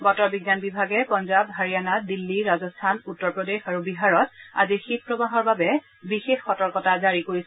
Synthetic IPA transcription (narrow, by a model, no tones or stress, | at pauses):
bɔtɔɹbiɡanbibʱaɡɛpɔnzabɦaɹijanadilːiɹazɔstʰanutːɔɹpɹɔdexaɹubiɦaɹɔt̚a̰zixit̚pɹɔbaɦɔɹbabɛ | bixexːɔtɔɹkɔtazaɹikoɹisɛ